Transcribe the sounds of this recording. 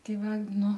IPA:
ˈtʲɛɪ ˈʋɐ ˈnʊ

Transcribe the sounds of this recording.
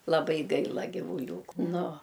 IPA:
lˠɐˈbɐɪ ˈɡɐɪlˠɐ ɡʲɪʋʊˈlʲuːkʊ ˈnʊ

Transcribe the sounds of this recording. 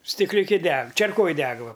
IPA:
sʲtʲɪklʲʊˈkʲɪ ˈdʲɛk t͡ʃʲɛrˈkoːj ˈdʲɛk ˈʋɐ

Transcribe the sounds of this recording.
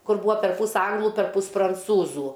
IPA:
ˈkʊr ˈbuːɐ pʲɛrˈpuːs ˈɐŋɡlˠʊ pʲɛrˈpuːs prɐnˈt͡suːzuː

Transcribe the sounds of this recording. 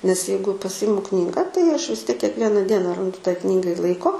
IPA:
nʲɛs ˈjɛɪɡʊ pɐˈsʲɪmʊ ˈknʲiːɡɐ tɐɪ ɐʃ ʋʲɪs tʲiɛk kʲiɛkˈʋʲiɛnɐ ˈdʲiɛnɐ ˈrɐndʊ tɐɪ ˈknʲiːɡɐɪ ˈlˠɐɪkoː

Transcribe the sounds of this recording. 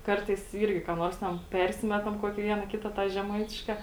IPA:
ˈkɐrtɐɪs ˈiːrʲɡʲɪ kɑː ˈnoːrs tʲɛn ˈpʲɛrʲsʲɪmʲɛtɐm ˈkuɔkʲiː ˈʋʲiɛnɐ ˈkʲɪtɐ tɑː ʒʲɛˈmɐɪtʲɪʃkɐ

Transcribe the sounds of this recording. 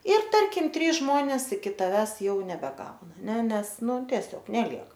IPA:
ɪr ˈtɐrʲkʲɪm ˈtʲrʲiːs ˈʒmoːnʲeːs ɪkʲɪ tɐˈʋʲæːs ˈjɛʊ nʲɛbʲɛˈɡɐʊnɐ ˈnʲɛ ˈnʲɛs ˈnʊ tʲiɛˈsʲoːk nʲɛˈlʲiɛk

